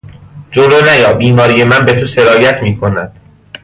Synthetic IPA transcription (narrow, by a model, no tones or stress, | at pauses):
d͡ʒolonæjɒːbiːmɒːɾije̞mænbet̪ʰose̞ɾɒːjæt̪ʰmiːkʰo̞næd̪̥